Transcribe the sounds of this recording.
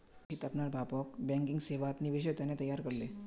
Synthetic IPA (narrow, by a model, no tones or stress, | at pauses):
ɦit̪apnaɽbʱapəkbɛ̃ŋkiŋɡseʋat̪niʋeɕ̬ət̪janet̪əjaɾkəɾle